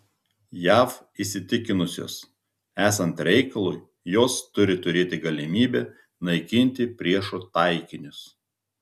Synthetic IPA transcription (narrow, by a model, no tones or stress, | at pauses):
jæːf | isʲɪt̪ʲɪkʲɪnʊsʲo̰ːs | æːsɐnt̪ɾʲɛɪkɐlˠʊj | joːst̪ʊɾʲɪt̪ʊɾʲeːt̪ʲɪɡɐlʲɪmʲiːbʲɛː | nɐɪkʲɪnʲt̪ʲɪpʲɾʲiɛʃoːt̪ɑˑɪkʲɪnʲʊs